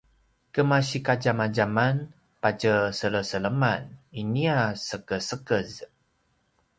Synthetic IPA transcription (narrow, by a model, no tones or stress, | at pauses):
kəmaɕikad͡ʒamad͡ʒaman | pat͡ʃəsələsələmaniniasəkəsəkəz